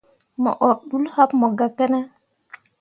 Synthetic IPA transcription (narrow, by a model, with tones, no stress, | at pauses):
mɔ̰˨ʔɔ˨ɾɗu˦lha˦pmɔ˨ɡa˨ke˦nɛ˦